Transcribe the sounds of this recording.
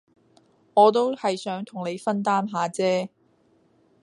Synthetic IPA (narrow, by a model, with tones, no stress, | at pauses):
ŋɔː˨˧t̪o˥whɐ˨jsœː˨˥ŋt̪ʰʊ˨˩ŋne˨˧jfɐ˥nt̪aː˥mɦaː˨˧t͡sɛː˥